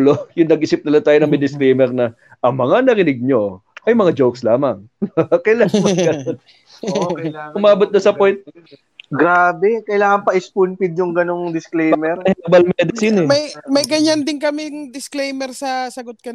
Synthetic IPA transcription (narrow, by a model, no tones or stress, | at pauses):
lojʊŋnɐɡ̚ʔɪːsɪp̚nɪlat̪aːjonɐŋmɐjd̪ɪsklejmɛɾnɐ | ʔɐmɐŋanɐɾɪnɪɡ̚ɲo̞ʔɐjmɐŋad͡ʒowkslaːmɐŋkɐjlaːŋmɐɡɐnon | kːʔʊmaːbot̪̚nɐsɐpojnt̪̚ | ɡɾaːbɛkɐjlaːŋɐŋpɐʔɪspunpɪd̪̚jʊŋɡɐnoŋd̪ɪsklejmɛɾɛɐbɐlmɛd̪ɪsɪnɪmɐjmɐjɡɐɲɐnd̪ɪnkɐmɪŋd̪ɪsklejmɛɾsɐsɐɡot̪̚kɐ